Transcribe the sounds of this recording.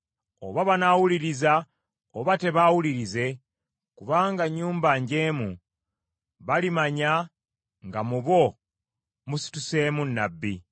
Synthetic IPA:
o̞̰βaβanawuliɾiza | oβate̞βawuliɾize̞ | kuβaːŋɡaɲːuːmbaɲɟe̞ːmṵ | βalimaɲa | ŋɡamuβo̞ | musi̥tuse̞ːmunːa̰bːḭ

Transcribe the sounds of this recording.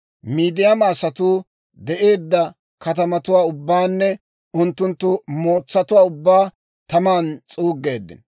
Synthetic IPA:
miːd̪ɪjɐmaːsɐt̪uː | d̪ɛʔe̞ːd̪ːɐ | kɐt̪ɐmɐt̪ʊwaːʊbːaːnːɛ | ʊnt̪ːʊnt̪ːʊmo̞ːt͡sːɐt̪ʊwaːʊbːaː | t̪ɐmaːnt͡sʼuːɡːe̞ːd̪ːɪ̰n

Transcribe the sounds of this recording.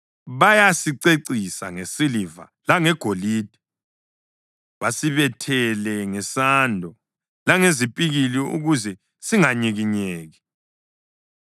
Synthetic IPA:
βajasiǀeǀisa̰ŋesiliva̰laŋɛɡ̥ʱoliːd̥ʱɛ | βasiβɛtʰɛlɛŋɛsandʱɔ | laŋezipʼiɣiliṵɣuzɛ | siŋaɲiɣiɲeːɣi

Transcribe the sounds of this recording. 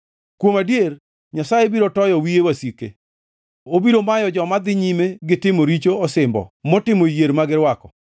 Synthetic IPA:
kwomadjer | ɲasajebiɾotɔjɔwiewasikḛ | obiɾomajɔd͡ʒɔmad̪ɪɲimeɡɪtɪmoɾit͡ʃoɔsɪmbɔ̰mɔtɪmojeɾmaɡɪɾwakɔ

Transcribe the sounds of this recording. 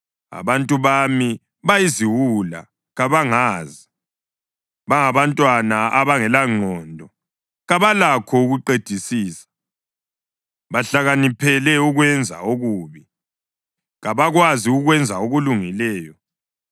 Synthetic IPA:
a̰βantʼuβami | βajiziwula̰ | ɣaβaŋaːzi | βaŋaβantʼwanaʔaβaŋɛlaŋ͡ǃʱɔːndʱɔ | ɣaβalakʰɔuɣuǃed̥ʱisiːsḁ | βaɬaɣanipʰɛlɛuɣwɛnd͡zʱa̰oɣuːβi | ɣaβaɣwaziuɣwɛnd͡zʱaoɣuluŋilɛːjɔ

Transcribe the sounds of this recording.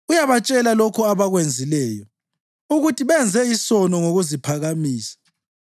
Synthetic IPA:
ujaβat͡ʃʼɛlalɔkʰɔaβaɣwend͡zʱilɛːjɔ | uɣutʰiβɛnd͡zʱɛisɔnɔŋoɣuzipʰaɣamiːsḁ

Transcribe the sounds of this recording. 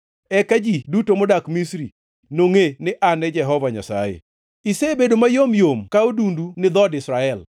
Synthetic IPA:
ɛkad͡ʒidutomɔdakmisɾi | noŋenɪʔanɛd͡ʒɛɦɔvaɲa̰sa̰jḛ | isebedomajomjomkaodundunɪd̪ɔdɪsɾaɛl

